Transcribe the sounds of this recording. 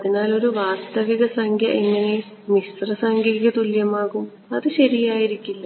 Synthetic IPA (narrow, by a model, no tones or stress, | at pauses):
ɐðinaːlo̞ɾuʋaːst̪ɐʋiɣɐsɐŋkʰjɐ̰ʔeŋːɐne̞ | mist̪rɐsɐŋɡɐɣɐt̪uljɐmaːɣum | ɐðɨɕɐɾijaːjiɾikʲːulːɐ